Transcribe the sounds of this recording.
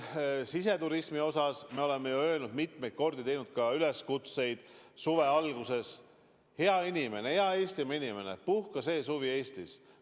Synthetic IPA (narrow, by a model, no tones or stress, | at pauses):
sise̞t̪uɾismio̞sɑsme̞o̞le̞mːejuø̞elnud̪̥mit̪ˑme̞jt̪̚ko̞rd̪it̪e̞jnud̪̥̚kɑyle̞skut̪se̞jd̪̥suve̞ɑlɡ̥use̞s | he̞ɑinime̞ne̞heɑe̞ːst̪imɑinime̞ne̞̰puhkɑse̞ːsuvie̞ːst̪is